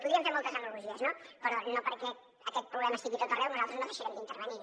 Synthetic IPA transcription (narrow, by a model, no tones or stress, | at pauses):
puðɾiəmfeɾmɔlˠt̪əzənuɾluʒiəznopəɾɔnopəɾkɛ | əkɛt̪̚pɾuβlɛməst̪iɣit̪ot̪ərɛwnuzalˠt̪əznoðəʃəɾɛmd̪int̪əɾβəni